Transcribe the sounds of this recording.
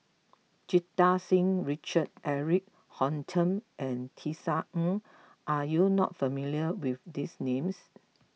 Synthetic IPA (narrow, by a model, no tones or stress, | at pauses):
d͡ʒitasĩŋɹit͡ʃəd̚ʔɛɹik̚ | hɔ̃ntʰə̃mʔɛ̃ntʰisaə̃ | ʔajunɔ̰t̚fəmiliəwifdisnẽms